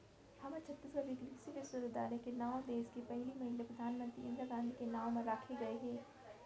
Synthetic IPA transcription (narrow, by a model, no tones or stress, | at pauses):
hɐmɐt͡ʃʰɐt̪ːisɡɐbikɾisiʋesuɾd̪aːlekenaːõd̪eːzkepɛɦlimɐɦinlepɾɐd̪ʱaːnmə̃nt̪ɾiʔɪ̃nd̪ɾaɡãːnd̪ikenaːõmɐ̃ɾːaːkʰeɡɐeɦɛ̃ː